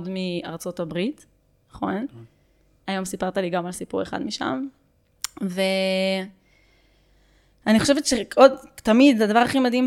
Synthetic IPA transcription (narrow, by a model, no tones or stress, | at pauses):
dmiaʁt͡so̞tabʁit | naχo̞n | ajo̞msipaʁt̪aliɡamalsipuʁeχa̰d̪miʃa̰m | ve | aniχo̞ʃevetʃeodt̪amid̪zead̪avaʁaχimad̪ɦim